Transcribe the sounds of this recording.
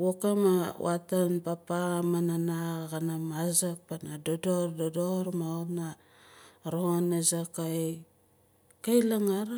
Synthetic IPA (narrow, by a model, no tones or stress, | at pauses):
wokamawatanpapaamananaɡanamazak̚panadodoɾdodoɾmaona | ɾoonezaka | kajlaŋaɾ